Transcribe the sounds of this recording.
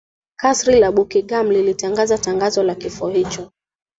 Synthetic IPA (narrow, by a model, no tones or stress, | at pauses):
kasɾilaɓukiɠam̩lilitaŋɡazataŋɡazɔlakifuɔhit͡ʃɔ